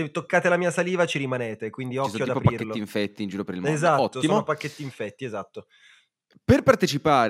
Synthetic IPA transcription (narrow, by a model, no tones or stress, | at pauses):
set̪ːokːaːt̪elamiːasaliːvat͡ʃiɾimaneːt̪ekwind̪iɔskt̪joad̪aipopɾpaikːeloːiɱfɛt̪ːiːnd͡ʒuːɾopeɾilmoezatɔt̪ːosːimoonopakːet̪ːiːɱfɛt̪ːiezat̪ːo | perpart̪et͡ʃipaːɾ